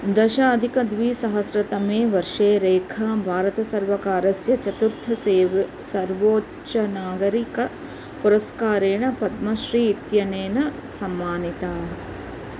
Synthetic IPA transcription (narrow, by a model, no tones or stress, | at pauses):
d̪ɐʃaːɐd̪ʱikɐd̪ʋiːsɐɦɐsɾɐt̪ɐmeːʋɐɾʂeːɾeːkʰɐbʱaːɾɐt̪ɐsɐɾʋɐkaːɾɐsjɐt͡ʃɐt̪uɾt̪ʰɐseːʋɐ | sɐɾʋoː | t͡ʃɐnaːɡɐɾikɐ | puɾɐskaːɾeːɳɐpɐt̪mɐʃɾiːt̪jɐneːnɐ | sɐmːaːnit̪aːɦɐ